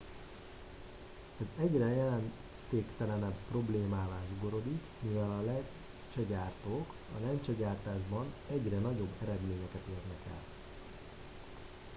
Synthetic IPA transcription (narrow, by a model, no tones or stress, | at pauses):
ɛzɛɟrɛjɛlɛn | t̪eːkt̪ɛlɛnɛbpro̞bleːmaːvaːʒuɡo̞ɾo̞d̪ikmivɛlɒlɛ | t͡ʃɛɟaːrt̪oːk | ɒ̰lɛnt͡ʃɛɟaːrt̪aːʒbɒnɛɟrɛnɒɟo̞bːɛɾɛd̪meːɲɛkɛt̪eːrnɛkɛ̰l